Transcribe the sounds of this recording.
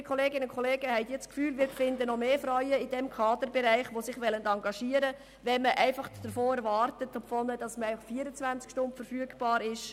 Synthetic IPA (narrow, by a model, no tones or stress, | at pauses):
kʰχoleːɡɪnʊnkχoleːɡəhɛɪtjɪt͡skfyːlʋɪːɾfɪndənɔmeːfrɔʏəɪd̥ɛmkʰɑːd̪əɾbɛɾæɪχʋosɪχʋɛləndɑŋɡɑʃiːəɾə | ʋɛnməʔæɪfɑχd̥əɾfoːɛɾʋɑːrtət̪opfɔnəd̥ɑsməæɪfɑχfiːəɾət͡sʋænt͡skʃtʊntfəɾfyəɡb̥ɑːɾɪʃ